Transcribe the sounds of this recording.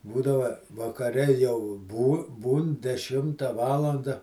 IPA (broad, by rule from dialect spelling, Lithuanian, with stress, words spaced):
ˈbuːdɐʋɐ ʋɐkɐˈrʲɛ jɛʊ buː ˈbuːn dʲɛˈʃʲɪmtɐ ˈʋɑːlˠɐndɐ